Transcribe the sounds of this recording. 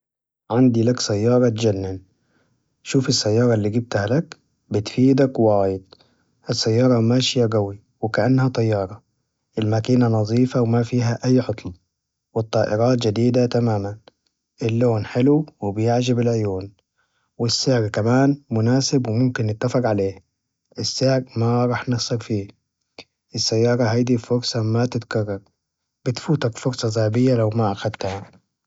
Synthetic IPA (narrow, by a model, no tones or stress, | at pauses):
ʕand̪ilaksajːɑːɾˤɑt̪d͡ʒanːɪn | ʃuːfɪsːajːɑːɾˤɑlːiːɡib̚t̪halak | bɪt̪fiːd̪akwwaːjɪt̪̚ˤ | ʔɪsːajːɑːɾˤɑmaːʃɪjaɡawi | wɪkaʔanːhat̪ˤɑjːɑːɾˤɑ | ʔɪlmakiːnanɑzˤiːfawɪmafiːɦaʔajːħot̪ˤl | wɪt̪ˤːɑːʔɪɾɑːt̪d͡ʒad̪iːd̪at̪amaːman | ʔɪlːoːnħɪluwɪbɪjɪʕd͡ʒɪbɪlʕʊjuːn | wɪsːɪʕɾkamaːnmʊnaːsɪbwɪmʊmkɪnːɪt̪ːafɑqʕaleː | ʔɪsːɪʕɾmaɾˤɑːħnɪxsˤɑɾfiː | ʔɪsːajːɑːɾˤɑɦajd̪ifʊɾsˤɑmat̪ɪt̪kɑrˤːɑɾˤ | b̥ɪt̪fuːt̪akfʊɾsˤɑzˤaːbɪjːalawmaʔaxad̪t̪ha